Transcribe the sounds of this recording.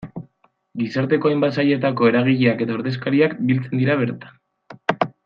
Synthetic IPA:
ɡisaɾt̪e̞ko̞ajmbat̪saje̞t̪ako̞e̞ɾaɣiʎiake̞t̪aoɾðe̞s̬kaɾiakbilt͡se̞nd̪iɾaβ̞e̞ɾt̪ḁn

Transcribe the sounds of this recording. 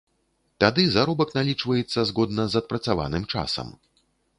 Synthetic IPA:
t̪ad̪ɨzaɾɔbɐknalʲit͡ʂvɐjɛt̪sːɐzɣɔd̪nɐzɐt̪̚pɾɐt̪sava̰nɨmt͡ʂa̰sɐ̰m

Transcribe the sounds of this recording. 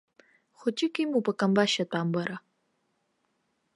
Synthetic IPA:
χʷʊt͡ʃʼɪkʼimupʼɐkʼɐmbaʃɐtʷʼaːmbɐɾɐ

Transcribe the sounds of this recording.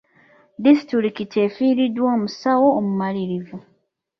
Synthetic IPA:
distɾiɾikite̞ːfiːɾidwoːmusawo̞ːmumaliɾivu

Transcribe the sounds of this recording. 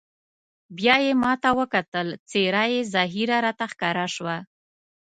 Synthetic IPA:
bjɑjemɑt̪awəkat̪əlt͡seɾajezɑɦiɾaɾɑt̪axkɑɾaʃwa

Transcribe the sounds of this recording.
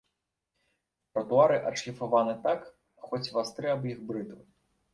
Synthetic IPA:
pɾɐt̪uaɾɨʔɐt͡ʂxʲifavanɨt̪ak | xɔt͡sʲvast̪ɾɛɐbjixbɾɨt̪ɨ

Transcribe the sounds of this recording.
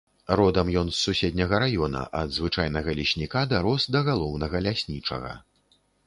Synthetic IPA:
rɔd̪ɐmjɔnsːusʲɛd̪ʲnʲɐɣɐɾajɔnɐ̰ʔɐd̪zvɨt͡ʂajnɐɣɐlʲiɕʲnʲikad̪aɾɔsd̪ɐɣalˠɔwnɐɣɐlʲasʲnʲit͡ʂɐ̰ɣɐ̰

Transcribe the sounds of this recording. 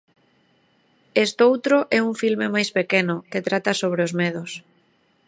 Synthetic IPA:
est̪owt̪ɾoʔɛuŋfilmemajspekenʊket̪ɾat̪asoβ̞ɾeozmɛðʊs

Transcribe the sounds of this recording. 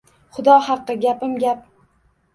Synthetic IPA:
χʊd̪ɒhɑqːɨɡʲapɪmɡʲap̚

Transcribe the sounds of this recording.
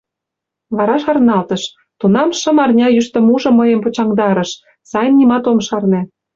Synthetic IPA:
βɑɾɑʃɑrnɑlt̪ə̆ʃ | t̪unɑmʃə̆mɑrnʲɑjyʃt̪ə̆muʒɤ̆məjə̆mpot͡ɕɑŋd̪ɑɾə̆ʃ | sɑjnːimɑt̪omʃɑrne

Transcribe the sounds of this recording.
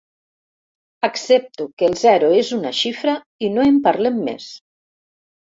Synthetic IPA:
əksep̚t̪ukəeːlˠzɛɾuezunaʃifɾə | inoempaɾlemːḛs

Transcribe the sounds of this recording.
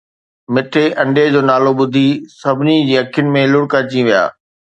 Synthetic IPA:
mɪʈʰeʔɐ̃ɳɖed͡ʑoːnaːloɓʊd̪ʱisɐbʱɪnid͡ʑiːɐkʰjʊnɪ̆mẽlʊɽkat͡ɕĩʋija̰ː

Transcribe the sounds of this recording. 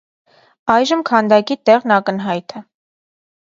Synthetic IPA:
ɑjʒəmkʰɑnd̪ɑkit̪ɛʁnɑkənɦɑjt̪ʰɛ

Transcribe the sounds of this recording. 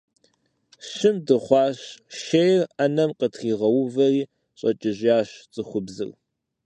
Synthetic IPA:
ɕɪmdɨχʷɑːɕʃejrɐnɐmqətχiːʁɐwʊvɐriː | ɕʼɐt͡ʃʼɪʑjaːɕt͡sʼɨχʷʊbzɨ̰r

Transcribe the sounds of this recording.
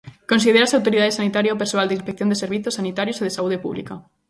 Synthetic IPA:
kons̬ið̞eɾasawt̪oɾiðaðesanit̪aɾjaopeɾsoald̪einspekθjond̪eseɾβiθosanit̪aɾjoseðesauð̞epṵβlḭka

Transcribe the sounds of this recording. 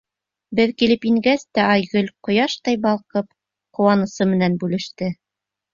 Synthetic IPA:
bɘðkilɘpiŋɡæst̪æʔɑjɡɵlqŏjɑʃt̪ɑjbɑlˠqɤp̚ | qŏwɑnɤ̆sɤmɘ̆nænbʉlɘ̆ʃt̪ɘ

